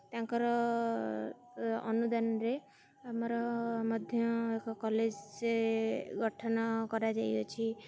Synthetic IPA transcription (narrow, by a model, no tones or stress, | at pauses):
t̪jãŋkɔɾɔ | ɔ̰nud̪anɾe | amɔɾɔmɔd̪ʱjɔekɔkɔled͡ʒseɡɔʈʰɔnkɔɾad͡ʒajjɔt͡ʃʰi